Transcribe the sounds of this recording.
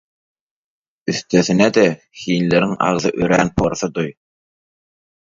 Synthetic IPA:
yθt̪øθinæd̪ɛ | xiːnleɾiŋɑ̰ʁðɯʔøɾænpʰoɾθɯd̪uj

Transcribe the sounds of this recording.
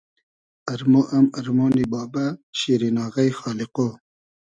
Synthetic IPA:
ɐɾmoʔɐmɐɾmoːnibɑːbaɕiɾinɑːɣajxɑːliqo

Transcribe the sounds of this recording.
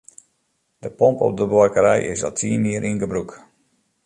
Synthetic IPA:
d̥əpɔmpɔ̰p̚dəbwakəɾɛjɪ̰sa̰ltʰiəniəɾʔinɡəbruk

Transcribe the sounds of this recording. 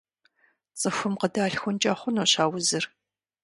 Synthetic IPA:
t͡sʼəxʷʊmqədaːɬxʷʊnt͡ʃʼaːχʷʊnoːɕaːwʊzɨr

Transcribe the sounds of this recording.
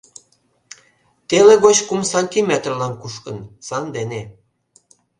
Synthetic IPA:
t̪eleɣot͡ɕkumsɑnʲt̪ʲimʲet̪rlɑnkuʃkənsɑnd̪ene

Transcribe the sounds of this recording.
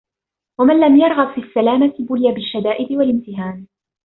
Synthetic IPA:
wamanlamjɑɾˤɣɑbfiːsːalaːmat̪ɪbʊlɪjabɪʃːad̪aːʔɪd̪ɪwalɪmt̪ɪɦaːn

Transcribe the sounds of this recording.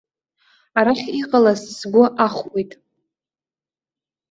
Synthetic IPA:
aɾaχʲiqʼalassɡʷʊʔaχʷejtʼ

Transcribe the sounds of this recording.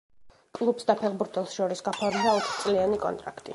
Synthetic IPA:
kʼlˠupsd̪apʰɛʁbuɾt̪ʰɛlˠsʃɔɾisɡapʰaɾmd̪aɔt̪ʰχt̪sʼlianikʼɔ̰nt̪ʼɾa̰kʰt̪ʼḭ

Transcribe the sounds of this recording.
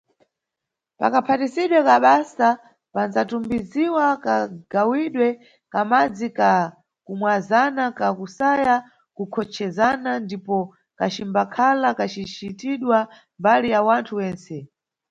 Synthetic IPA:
pa̰kapʰatisiɗwɛkaɓasa | pand͡zatumbiziwakaɡ̥awiɗwɛ | kamad͡zika | kumwazanakakusaja | kukʰɔt͡ʃʰɛzanandipɔ | kat͡ʃimbakʰalakat͡ʃit͡ʃitiɗwa | mbalijawantʰuwɛːnsɛ

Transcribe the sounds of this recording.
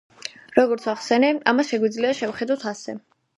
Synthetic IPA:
ɾɔɡɔɾt̪ʰwaχsɛnɛamasʃɛɡwid̪zliaʃɛvχɛd̪awt̪ʰasɛ

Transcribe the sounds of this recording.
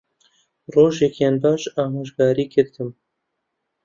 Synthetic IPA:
roːʒɛkjeːnbɑːʃɑːɦoːʒɡaːɾiːkʰɨɾt̪ɨm

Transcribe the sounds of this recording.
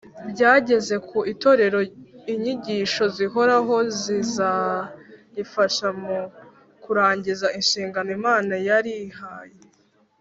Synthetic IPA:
bɟaːɟe̞ze̞kʰuʔito̞ɾe̞ɾo̞iɲiɟiːʃo̞ziɦo̞ɾaɦo̞ziza | jifaʃamu | kuɾaːɲɟizainʃiːŋɡanoimaːnajaɾihaje

